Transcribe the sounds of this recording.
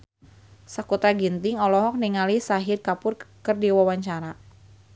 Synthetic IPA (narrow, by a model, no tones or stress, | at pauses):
sakut̪aɡint̪iŋɔlɔɦɔk̚niŋalisaɦirkapʊrkərdiwawaɲt͡ʃaɾa